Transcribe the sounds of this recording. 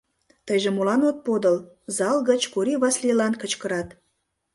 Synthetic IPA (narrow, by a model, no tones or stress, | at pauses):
t̪əjʒĕmolɑnot̪̚pod̪əl | zɑlɣət͡ɕkuɾiβɑslilɑnkət͡ɕkəɾɑt̪